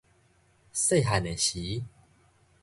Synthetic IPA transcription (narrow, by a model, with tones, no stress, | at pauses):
se˥˧˨ɦa˨ne˨ɕi˨˦